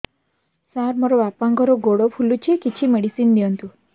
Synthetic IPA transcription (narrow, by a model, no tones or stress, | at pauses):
saɾmɔɾɔbapaŋɡɔɾɔɡoɽopʰulut͡ʃʰikit͡ʃʰimeɽisind̪iɔnt̪u